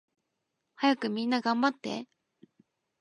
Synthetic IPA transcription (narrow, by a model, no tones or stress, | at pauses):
hajakɯ̟mʲĩnːaɡãmbat̪ːe̞̰